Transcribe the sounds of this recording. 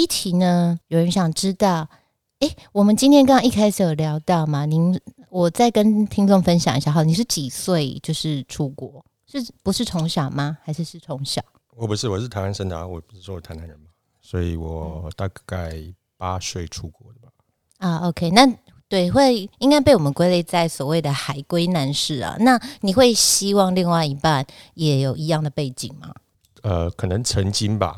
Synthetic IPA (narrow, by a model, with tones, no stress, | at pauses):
i˥˩t̪ʰi˨˥nə˧˦jo˨˩ʊɻə˧˦nɕjɑ˨˩ŋʈ͡ʂɻ̩˥t̪ɑ˥˩ʊ | e˥ɪwɔ˨˩mə˨˦nt͡ɕi˥nt̪ʰjkɑ˥ɑ˥˧ŋi˥˧kʰa˥ɪsʰə˨˩ljɑ˧˥ʊt̪ɑ˥˩ʊma˩ni˧˦n | wɔ˨˩t͡sa˥˩ɪkə˦nt̪ʰi˥ŋʈ͡ʂʊ˥˨˧ŋfə˦nɕjɑ˨ŋi˧˥ɕja˥˩xd̪ni˨˩ʂɻ̩˥˩t͡ɕi˨˩swe˥˨ɪt͡ɕjo˥˧ʊʂɻ̩˥˩ʈ͡ʂʰu˦kwɔ˧˦ | ʂɻ̩˥˩pu˧ʂɻ̩˥˩ʈ͡ʂʰʊ˧˥ŋɕjɑ˨˩ʊma˨˩xa˧˥ɪʂɻ̩˥˧ʂɻ̩˥˩ʈ͡ʂʰʊ˧˥ŋɕjɑ̰˨˩˦ʊ | wɔ˨˩pu˧˦ʂɻ̩˥˩wɔ˨˩ʂɻ̩˥˩t̪ʰa˧˥na˥˧nʂə˥nt̪ʰa̰˨˦wɔ˨˩pu̥˧ʂɻ̩˥˩wɔ˦˧˨t̪ʰa˦nʰa˧˦nɻə˧˦nba˦ | swɔ˧˥i˨˩wɔ˨˩t̪a˥˧ka˥˩ɪ | pa˦swe˥˩ɪʈ͡ʂʰu˦kwɔ˧˦d̪ə˩ba˨˩ | a˥˧o˧˥ʊkʰe˥ɪna˥˨ | t̪we˥˩ɪxwe˥˩ɪi˥ŋka˥ɪp̬e˥˩ɪwɔ˨˩mə˦nkwe˥ɪle˥˧ɪt͡sa˥˩ɪswɔ˨˩we˥˩ɪd̪ə˩xa˨˩ɪkwe˥ɪna˧˥nʂɻ̩˥˩lə̰˨˩na˥˩ni˨˩xwe˥˩ɪɕi˥wɑ˥˧ŋli˥˧ŋwa˥˧ɪi˧˥pa˥˨njɛ˨˥jo˨˩ʊi˧˥jɑ˥˩ŋd̪ə˩pe˥˩ɪt͡ɕḭ˨˩ŋma̰˨˦ | ə˧kʰɤ˨˩nə˧˦ŋʈ͡ʂʰə˧˥ŋt͡ɕi˦nba̰˨